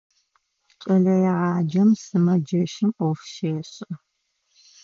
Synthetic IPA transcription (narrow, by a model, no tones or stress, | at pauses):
t͡ʃʼɐɮɐjɛʁɑːd͡ʒɐmsɨmɐd͡ʒɐʃɪmʔɔfʃeːɕʼ